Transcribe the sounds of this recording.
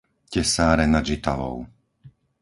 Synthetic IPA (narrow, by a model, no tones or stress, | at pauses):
cɛsaːɾɛnad͡ʒit̪aʋɔ̰ʊ